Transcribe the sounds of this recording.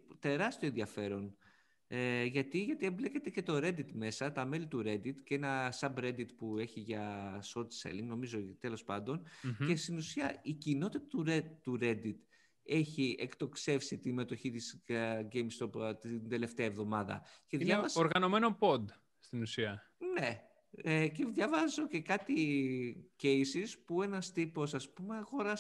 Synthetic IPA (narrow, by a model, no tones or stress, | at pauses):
t̪e̞ɾɐst̪ioenðiɐfe̞ɾo̞n | eʝɐt̪iʝɐt̪iemblece̞t̪e̞ce̞t̪o̞ɾe̞d̪it̪me̞sɐt̪ɐme̞lit̪uɾe̞d̪it̪ceenɐsɐbɾe̞d̪it̪pue̞çiʝɐso̞t̪sḛliŋɡno̞mizo̞t̪e̞lo̞spɐnd̪o̞nce̞st̪inusiɐicino̞t̪it̪ɐt̪uɾet̪uɾe̞d̪it̪ | e̞çiekt̪o̞kse̞fsit̪ime̞t̪o̞çit̪isɡejmst̪opt̪ind̪e̞le̞ft̪eɐevðo̞mɐðɐ̰ceðjɐɐoɾɣɐno̞me̞nopo̞d̪ | st̪inusiɐ | ne̞ | ceðʝɐvɐzo̞ce̞kɐt̪i | ce̞jsispue̞nɐst̪ipo̞sɐspume̞ɐɣo̞ɾɐs